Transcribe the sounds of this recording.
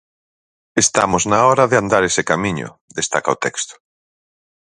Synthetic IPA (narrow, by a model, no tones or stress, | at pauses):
est̪a̰mʊznaɔɾaðeand̪aɾesekamĩɲʊ̰d̪est̪a̰ka̰ot̪ɛkst̪ʊ̥